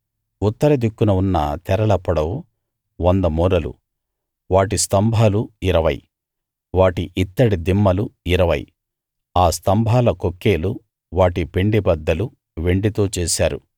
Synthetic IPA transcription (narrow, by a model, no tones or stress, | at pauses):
ut̪ːɐɾɐd̪ikːunɐunːɐ̰t̪ɛɾɐɭɐpːɐɽɐw | ʋond̪ɐmuːɾɐlṵ | ʋaːʈist̪ɐmbʱaːluiɾɐʋɐ̰j | ʋaːʈiʔit̪ːɐɽid̪imːɐluiɾɐʋɐ̰j | aːst̪ɐmbʱaːlɐkokːe̞ːlu | ʋaːʈipe̞ɳɖibɐd̪ːɐlu | ʋe̞ɳɖit̪o̞ːt͡ʃɛːsaːɾṵ